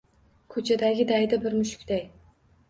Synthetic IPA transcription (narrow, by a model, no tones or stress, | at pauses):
kʰɵt͡ʃʰad̪aɡʲɪd̪ajd̪abɪɾmʊʃʊ̥kʲd̪aj